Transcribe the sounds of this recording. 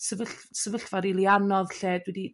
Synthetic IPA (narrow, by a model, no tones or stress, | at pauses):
səvəɬsəvəɬvaɾilˠianɔðɬeːdwɛdi